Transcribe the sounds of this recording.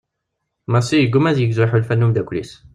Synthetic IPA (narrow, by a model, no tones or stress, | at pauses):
mæsijəɡumæðjəɡzuħulfænːumd̪ækʷlis